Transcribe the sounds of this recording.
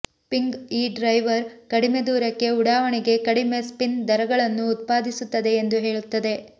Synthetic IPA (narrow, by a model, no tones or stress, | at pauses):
piŋɡiːɖɾɐjʋɐɾkɐɽime̞d̪uːɾɐkːe̞uɽaːʋɐɳiɡe̞kɐɽime̞spind̪ɐɾɐɡɐɭɐnːuːt̪̚paːd̪isut̪ːɐd̪e̞ːnd̪uɦe̞ːɭut̪ːɐd̪e̞